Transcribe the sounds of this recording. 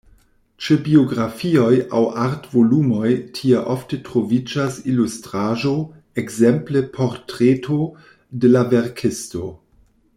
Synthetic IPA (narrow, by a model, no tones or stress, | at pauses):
t͡ʃebioɡɾafio̞ja̰waɾtvolumo̞jtʰieʔoftetɾovid͡ʒasilustɾaʒo̞ | ekzemplepʰo̞ɾtɾetʰo̞ | delaveɾkʰesto̞̰